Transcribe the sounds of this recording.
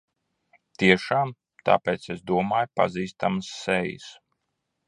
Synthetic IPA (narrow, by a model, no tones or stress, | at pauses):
t̪iɛʃaːm | t̪a̰ːpʲeːt̪sɛsd̪uɔmaːjpa̰ziːst̪amsːɛjḭs